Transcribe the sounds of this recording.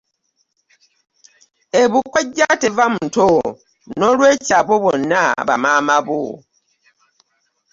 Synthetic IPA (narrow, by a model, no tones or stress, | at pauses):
eβukoɟːatevamuto | nnolweːcaβoβonːaβa̰maːmaβo̰